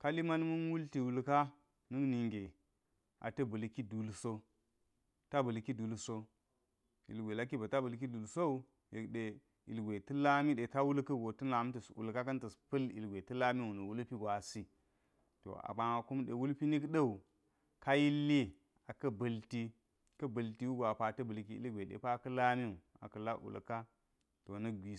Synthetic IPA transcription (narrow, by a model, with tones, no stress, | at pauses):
ka˦li˦ma˦lmu˦nwu˦lti˨wu˨lka˦ | nɨ˦kni˨ŋɡe˨ | ʔa̰˨tɐ˦bə˨lki˦du˨lso˦ | ta˦bə˨lki˦du˨lso˦ | ḭ˨lɡʷe˨la˦ki˦ba˨ta˦bə˨lk̬i˦du˨lso˦u˦ | je˨kɗe˨ | ḭ˨lɡʷe˨tə˦la˦mi˦ɗe˨ta˦wu˦lkɐ˦˨ɡo˨tɨ˦na˨˦m˦ti˨sṵ˨lka˦kɐ˦ntɐ˨spɐ˦lḭ˨lɡʷe˨tɐ˦la˦mi˦wu˨nu˨wu˦lpi˦ɡʷa˨si˦ | to̰˨a̰˨ba˨a˨ku˦mɗḛ˨wu˦lpi˦ni˦kɗə˦u˨ | ka˦ji˦lːi˦ | a˨kɐ˦bɐ˨lti˦ | kɐ˦bɐ˨lti˦wu˦ɡʷa˨pa˨tɐ˦bə˨lk̬i˦ḭ˦lɡʷe˨ɗḛ˨pa˦kɐ˦la˦mi˦u˨ | a̰˨kɐ˨la˦ʔṵ˨lka˦ | to˨nɐ˦ɡʷi˨